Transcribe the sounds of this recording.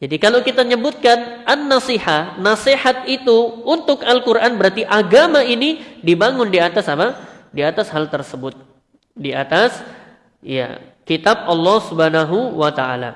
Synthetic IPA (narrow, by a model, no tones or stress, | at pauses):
d͡ʒadikalawkit̪aɲəbʊt̪̚kanʔanːasihanːasehat̪̚it̪uunt̪ʊkalkurʔanbəɾat̪iʔaɡamainidibaŋʊndiat̪asapa | diat̪ashalt̪ərsəbʊt̪̚ | dia̰t̪as | ija̰kit̪ap̚ɑlːɔhsubhanaɦuwat̪aa̰la̰